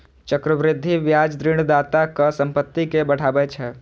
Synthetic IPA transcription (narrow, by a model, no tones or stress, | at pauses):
t͡ʃəkɾəʋɾɪd̪ʱːiʋjaːd͡ʒd̪ɾɪɽ̃d̪aːt̪akəsə̃mpət̪ːikebəɽ̤ʰaːbɛt͡ʃʰɛ